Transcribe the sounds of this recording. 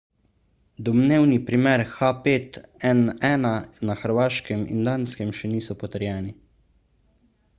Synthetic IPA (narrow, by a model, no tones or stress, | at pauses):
d̪ɔmneːwnipɾimɛɾxapeːt̪ɛnɛːnanaxəɾʋaːʃkɛmḭnd̪aːnskɛmʃɛniːsɔpɔt̪əɾjɛːni